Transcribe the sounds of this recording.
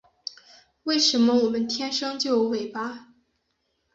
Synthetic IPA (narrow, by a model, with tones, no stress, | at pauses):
we˥˩ɪʂə˧˥nmə˦wɔ˨˩mə˦nt̪ʰjɛ˥nʂɤ˥ŋt͡ɕjo˥˩ʊwe˨˩ɪpa˦